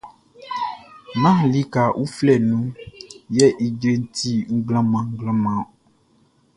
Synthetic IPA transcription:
nã˦˨li˦ka˨ʔu˦flɛ˨nũ˦jɛ˦ʔi˨dɾe˦n̩˦ti˦ŋ̩˦ɡlã˦mã˨ŋ̩˦ɡlã˦mã˨

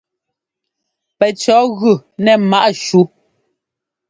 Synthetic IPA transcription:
pɛ˨t͡ʃɔ˨˦ɣʉ˨nɛ˨ma˦ʔʃu˦

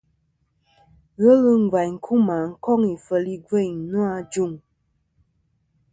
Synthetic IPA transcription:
ɣə˦lɨ˦ŋ̩˨ɡwa˨jŋ̩˨kʰu˦ma˨ŋ̩˦˨kɔ˦ŋi˨fə˨li˦ɡe˦˨ɲ˦nu˦a˦d͡ʒu˦˨ŋ

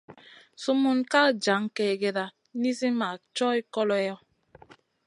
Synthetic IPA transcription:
su˦mu˦nka˦˨d͡ʒa˨˦ŋ˦ke˨ɡe˨ɾa˨ | ni˦zi˦ma˨t͡ʃɔ˦i˦kɔ˦lɔ˦jɔ˦

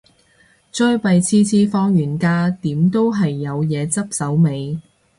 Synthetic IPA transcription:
t͡ʃœ˥jpɐ˨jt͡sʰiː˥t͡sʰiː˥fɔː˥ŋjyː˨˩nkaː˧˥t̪iː˨˥mt̪o˥wɦɐ˨jːɐ˨˧wjɛː˨˧t͡sɐ˥p̚sɐ˨˥wme˨˧j

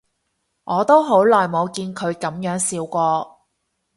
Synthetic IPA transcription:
ŋɔː˨˧t̪o˥wɦo˨˥wlɔː˨jmo˨˧wkiː˧nkʰɵ˨˧ɥkɐ˨˥mjœː˨˥ŋsiː˨˧wkʷɔː˧

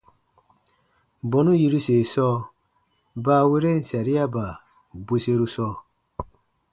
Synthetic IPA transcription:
bɔ˨nu˦ji˦ɾu˦se˨sɔː˦ | ba˦we˦ɾe˦n̩˨sa˨ɾi˦a˦ba˨ | bu˦se˦ɾu˦sɔː˦

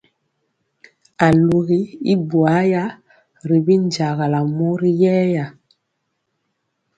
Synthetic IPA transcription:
a˨lu˨ɣi˦i˦bwa˨˦ja˦ | ɾi˨bi˦nd͡ʒa˨ɣa˨la˨mu˦ɾi˦jɛː˦ja˨

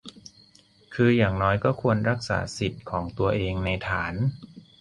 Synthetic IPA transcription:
kʰɯː˧jaː˨˩ŋnɔː˦˥jkɔː˥˩kʰu˧ənɾa˦˥k̚sa̰ː˩˦si˨˩t̪̚kʰɔː˩˦ŋt̪u˧ɐʔeː˧ŋna˧jt̪ʰaː˩˦n

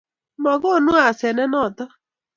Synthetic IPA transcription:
mɔ˨ɡo˦nu˦a˨se˨ne˦nɔ˦˨tɔ˦

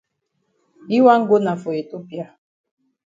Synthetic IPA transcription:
i˦wa˦ŋ̩˦ɡo˦na˨fo˨e˨to˦pja˦

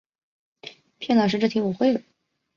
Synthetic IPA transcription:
pʰjɛ˥˩nlɑ˨˩ʂɻ̩˥˧ʈ͡ʂɤ˥˩t̪ʰi˧˥u˨˩xwe˥˩ɪd̪ə˩

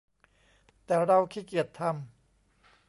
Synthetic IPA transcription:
t̪ɛː˨˩ɾa˧wkʰiː˧˩ki˨˩ət̪ʰːa˧m

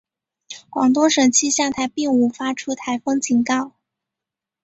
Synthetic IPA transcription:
kwɑ̰˨˩ŋt̪wɔ˥ŋʂɤ˨˩ŋt͡ɕʰi˥ɕjɑ˥˧t̪ʰa˧˥ɪpi˥˩ŋu˧˥˩fa˥ʈ͡ʂʰu˥t̪ʰa˧˥ɪfɤ˥ŋt͡ɕʰi˧˥ŋkɑ˥˩ʊ

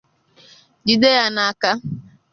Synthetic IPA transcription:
d͡ʒi˦de˦ja˦na˨a˦˨ka˦

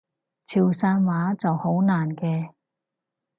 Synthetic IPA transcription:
t͡sʰiː˨˩wsaː˧nwaː˨˥t͡sɐ˨who˨˥wnaː˨˩nkɛː˧

